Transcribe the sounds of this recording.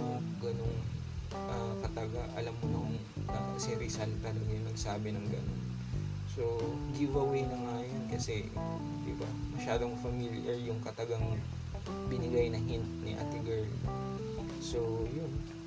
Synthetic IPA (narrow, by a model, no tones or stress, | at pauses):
jʊɡɐnoŋ | ʔɐkɐt̪ɐɡaʔɐ̰lamːonɐʊŋ | ʔɐsɪɾisɐlt̪ɐlɐɡjʊŋnɐɡsaːbɪnɐŋɡɐ̰no̰n | so̞ɡɪvɐwɛjnɐŋajonkɐsɛ | d̪ɪ̰ba̰ | mɐʃaːd̪o̞ŋfɐmilʔɛɹjʊŋkɐt̪ɐɡaŋ | bɪnɪɡajnɐŋhɪnt̪̚nɪʔa̰t̪ɪɡɛɹl | so̞jʊn